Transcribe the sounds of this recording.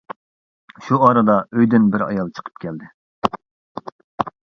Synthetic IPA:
ʃuɑːɾɨd̪ɑøjd̪ynbɪɾɑ̰jɑlˠt͡ʃʰə̥qʰə̥p̚kʲʰɛld̪ɪ

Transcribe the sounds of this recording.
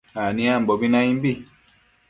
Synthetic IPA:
anĩam̩bɔbinãĩmbi

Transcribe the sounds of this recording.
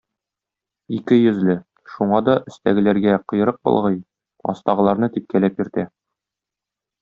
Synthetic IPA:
ikɘjɵ̆zlɘ | ʃuɴɑd̪ɒʔɘ̆st̪æɡɘ̆læɾɡæqɤ̆jɤ̆ɾɤq̚bŏ̰lˠʁɤj | ɒ̰st̪ɑʁɤ̆lˠɑɾnɤt̪ip̚kælæpjɘ̆ɾt̪æ

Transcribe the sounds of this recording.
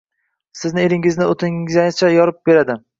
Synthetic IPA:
sɪznɪeɾɪŋɪznɪot̪ʰɪzat͡ʃʰajɒɾɪp̚be̞ɾad̪ɪ

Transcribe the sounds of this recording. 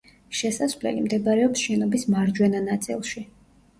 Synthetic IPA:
ʃɛsasvlɛ̰limd̪ɛbaɾɛɔpsʃɛnɔbismaɾd͡ʒwɛnanat̪sʼḭlˠʃi

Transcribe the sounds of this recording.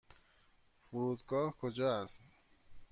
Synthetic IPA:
fuɾuːd̪ɡɒːhkʰod͡ʒɒːæst̪

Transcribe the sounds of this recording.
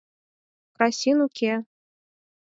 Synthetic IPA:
kɾasʲinukʲʰe

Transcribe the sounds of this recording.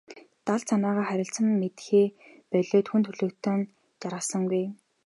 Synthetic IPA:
t̪aɮsʰanaːʁaːχæɾʲɪ̆ɬt͡sə̆mːet̪xeː | pœɮoːt̪xunt̪ʰɵɮɵ̆kt̪ʰoːn | t͡ɕaɾʁə̆sə̆ŋɡuj

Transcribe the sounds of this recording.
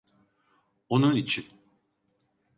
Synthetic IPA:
onunit͡ʃʰin

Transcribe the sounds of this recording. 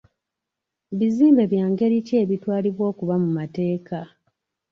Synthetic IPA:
βiziːmbe̞βjaːŋɡe̞ɾice̞ːβitwaːliβwo̞ːkuβamumate̞ːka

